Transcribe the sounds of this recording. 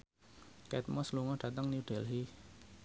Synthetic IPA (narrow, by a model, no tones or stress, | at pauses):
kɛt̪̚mɔsluŋɔɖ̥ä̤t̪əŋniuɖ̥ɛ̤lɦi